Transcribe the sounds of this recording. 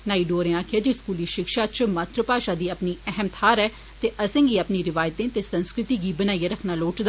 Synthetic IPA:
naːiːɖoːɾẽaːkʰjaːd͡ʒiskuːliːʃɪkʃaːt͡ʃmat̪ʰɾəpaːʃaːd̪iːəpniːɛɦɛmt̪ʰaːɾɛː | t̪eːʔəsẽːɡiːəpniːɾɪʋaːjt̪ẽːt̪eːsənskɾɪt̪iːɡiːbənaːiːaɾəkʰnaːloːʈd̪

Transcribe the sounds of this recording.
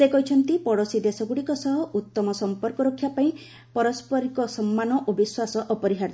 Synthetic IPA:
sekɔɦit͡ʃʰɔnt̪ipɔɽosid̪esɔɡuɽikɔsɔɦɔʔut̪ːɔmɔsɔmpɔɾkɔɾokʰːjapaĩ | pɔɾɔspɔɾikɔsɔmːanɔʔobiswasɔʔɔpɔɾiɦaɾt̪

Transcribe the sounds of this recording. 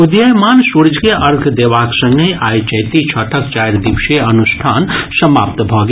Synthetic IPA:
ud̪jəjmaːnsuɾd͡ʒkeʔəɾkʰd̪eʋaksə̃ŋɡəjʔajt͡ʃəjt̪it͡ʃʰəʈʰəkt͡ʃajɾd̪ibʃeənust̪ʰaːnsəmapt̪bʱɔɡ

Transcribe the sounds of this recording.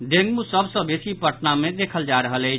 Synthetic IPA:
ɖeŋɡmusəbsə̃besipəʈnamẽd̪ekʰəld͡ʒaɾəɦələjt͡ʃʰ

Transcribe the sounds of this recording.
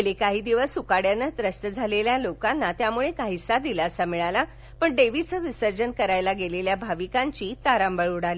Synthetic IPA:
lekaɦiːd̪iʋəsːukaɽjanːət̪ɾəst̪əd͡zʱaleljalokanːat̪jamuɭekaɦisad̪ilaːəsamiɭala | pəɳɖeʋit͡səʋisəɾd͡ʑənkəɾajlaɡeleljabʱaʋikãɲt͡ɕiːt̪aɾambəɭuɽali

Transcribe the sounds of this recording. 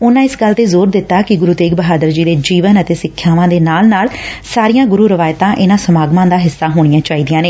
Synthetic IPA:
ʊnãːɪsɡəlːt̪eːzoːɾd̪ɪt̪ːaːkɪɡʊɾuːt̪eːɡ̚bəɦaːd̪əɾd͡ʒiːd̪eːd͡ʒiːʋənət̪eːsɪkʰːjaːʋãːd̪eːnaːlnaːlsaːɾijãːɡʊɾuːɾəʋaːjt̪ãːʔɪnãːsəmaːɡmãːd̪aːɦɪsːaːɦoːɽ̃ɪjãːt͡ʃaːiːd̪ɪjãːneː

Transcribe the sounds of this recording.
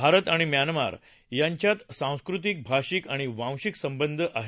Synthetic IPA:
bʱaɾət̪aɽ̃imjanma̰ɾ | jaɲt͡ɕjat̪sãw̃skɾut̪̬ik̚bʱaɕikaɽ̃iʋãw̃ɕiksəmbənd̪ʱəʔaɦe

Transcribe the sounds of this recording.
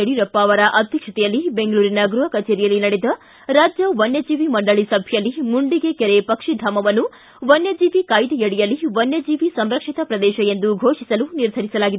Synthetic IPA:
eɽiɾɐpːaːʋɐɾɐʔɐd̪ʱjɐkʂɐt̪ɛjɐlːibeŋɡɐɭuːɾinɐɡɾuɦɐkɐt͡ʃeːɾijɐlːinɐɽed̪ɐ | ɾaːd͡ʒjɐʋɐnjɐd͡ʒiːʋimɐɳɖɐɭisɐbʱjɐlːimuɳɖiɡe̞keɾepɐkʂid̪ʱaːmɐʋɐnːu | ʋɐnjɐd͡ʒiːʋikajd̪ijɐɽijɐlːiʋɐnjɐd͡ʒiːʋisɐmɾɐkʂit̪ɐpɾɐd̪ɛːʃɐjend̪uɡʱoːʂisɐluniɾd̪ʱɐɾisɐlaːɡid̪e

